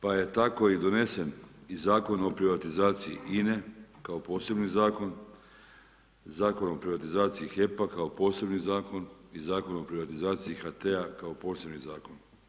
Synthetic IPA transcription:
paje̞t̪ako̞id̪o̞ne̞se̞nizaːko̞no̞pɾiʋat̪izaːt̪siḭʔine̞kao̞po̞ːse̞bnizaːko̞n | zaːko̞nopɾiʋat̪izaːt̪siixe̞pakaopo̞ːse̞bnizaːko̞nizaːko̞nopɾiʋat̪izaːt̪siixat̪eakao̞po̞ːse̞bnizaːko̞n

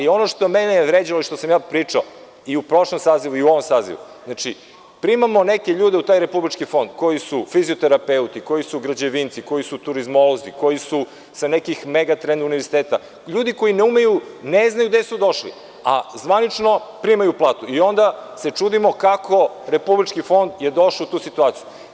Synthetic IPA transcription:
io̞noʃt̪omenejʋɾeːd͡ʑaloiʃt̪osamjaːpɾiːt͡ʂao | iupɾo̞ʃlomsaːziʋuiuo̞ʋomsaːzḭʋṵznat͡ʃi | pɾimamo̞neke̞ʎuːd̪e̞ut̪aːjɾe̞publit͡ʃkifo̞nd̪ko̞jisufiziot̪eɾapeut̪iko̞jisuɡɾad͡ʑeʋint̪siko̞jisut̪uɾizmo̞lˠoziko̞jisu | sanekixmeɡat̪ɾend̪uniʋeɾsit̪eːt̪a | ʎuːd̪iko̞jineumejuneznajud̪esud̪o̞ʃlḭ | azʋanit͡ʃno̞pɾimajuplˠaːt̪uio̞nd̪ase̞t͡ʂuːd̪imo̞kakʰo̞ɾe̞publit͡ʃkifo̞nd̪je̞d̪o̞ʃaut̪uːsit̪uaːt̪siju

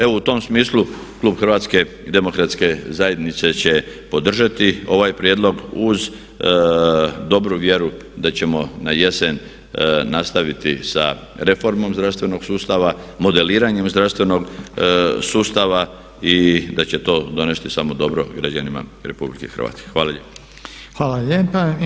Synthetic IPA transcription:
e̞ʋout̪o̞msmiːslu | klˠuːbxr̩ʋaːt̪ske̞ | d̪e̞mo̞kɾat̪ske̞zaje̞d̪nit̪se̞t͡ɕe̞ | po̞d̪r̩ʒat̪io̞ʋajpɾjeːd̪lˠo̞ɡuz | d̪o̞bɾuʋje̞ɾu | d̪at͡ɕe̞mo̞naje̞se̞nː | ast̪aʋit̪isa̰ | ɾe̞fo̞ɾmo̞mzd̪ɾaʋst̪ʋe̞no̞ɡ̥suːst̪aʋamo̞d̪e̞liːɾaɲe̞mzd̪ɾafst̪ʋe̞no̞ɡ | suːst̪aʋa | id̪at͡ɕe̞t̪o̞ːd̪o̞ne̞st̪isamo̞d̪o̞bɾo̞ɡɾad͡ʑanima̰ɾe̞publikexr̩ʋa̰ːt̪ske̥xʋaːlaʎep | xʋaːlaʎepa

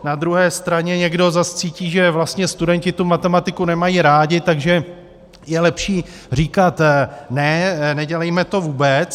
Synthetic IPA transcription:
nad̪ɾuɦɛːst̪ɾaɲɛɲɛɡdo̞zast͡siːciːʒɛvlast̪ɲɛst̪udɛncɪt̪umat̪ɛmat̪ɪkunɛmajiɾaːɟɪt̪aɡʒɛ | jɛlɛpʃiː | r̝iːkat̪nɛnɛɟɛlɛjmɛt̪o̞vuːbɛt͡s

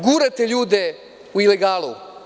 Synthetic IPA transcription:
ɡuːɾat̪eʎuːd̪e | uileɡaːlṵ

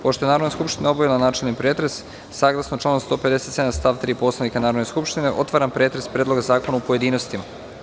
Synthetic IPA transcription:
poʃt̪oenaɾo̞d̪neskupʃt̪inaobaʋilanaːt͡ʃelʲnipɾet̪ɾe̞s | saːɡlˠasnot͡ʃlˠaːnomst̪o̞ːpe̞d̪e̞se̞t̪se̞d̪amst̪aːʋt̪ɾiːpo̞slˠanikanaːɾo̞d̪neskupʃt̪ine̞ʔo̞t̪ʋaːɾampɾe̞ːt̪ɾe̞spɾeːd̪lˠo̞ɡazaːko̞naupoje̞d̪iːnost̪ima

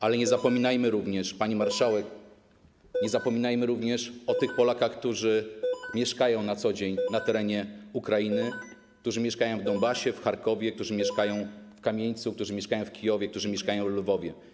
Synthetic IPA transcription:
alɛɲɛzapɔmʲinajmɘɾuvɲɛʂpaɲimaɾʂawɛk | ɲɛzapɔmʲinajmɘɾuvɲɛʂɔt̪ɘxpɔlakaxkt̪uʐɘmʲjɛʂkajɔ̃w̃nat̪sɔd͡ʑeɲnat̪ɛɾɛɲɛukɾajinɘ | k̚t̪uʐɘmʲjɛʂkajɔ̃w̃vd̪ɔnbaɕɛfxaɾkɔvʲjɛk̚t̪uʐɘmʲjɛʂkajɔ̃w̃fkamʲjeɲt̪sukt̪uʐɘmʲɛʂkajɔ̃w̃fkʲijɔvʲjɛkt̪uʐɘmʲjɛʂkajɔ̃w̃vlvɔvʲjɛ

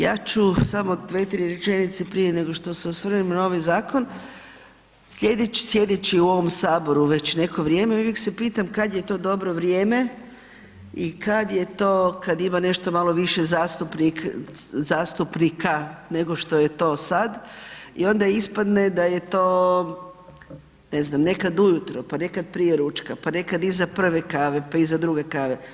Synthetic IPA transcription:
jaːt͡ʃusamo̞d̪ʋet̪ɾiɾet͡ʃe̞nit̪sepɾijene̞ɡo̞ʃt̪o̞seosʋr̩nimnao̞ʋajzaːkon | sʎʲe̞d̪et͡ɕsje̞d̪et͡ɕiuo̞ʋo̞msaːbo̞ɾuʋe̞t͡ɕne̞ko̞ʋɾʲje̞ːme̞uʋjekse̞piːt̪amkad̪je̞t̪o̞ːd̪o̞bɾo̞ʋɾjeːme̞ | ikad̪je̞t̪oːkad̪imane̞ʃt̪o̞malˠo̞ʋiʃe̞zaːst̪upnikzaːst̪upnikane̞ɡo̞ʃt̪o̞je̞t̪o̞ːsad̪ḭo̞nd̪aispad̪ne̞d̪aje̞t̪o̞ː | neznamne̞kad̪ujut̪ɾopane̞kad̪̚pɾijeɾut͡ʃkapane̞kad̪izapr̩ʋe̞kaːʋe̞paizad̪ɾuɡe̞kaːʋe̞

